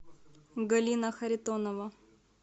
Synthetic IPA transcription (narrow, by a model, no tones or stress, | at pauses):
ɡɐlʲinəxɐɾʲɪt̪onəvɐ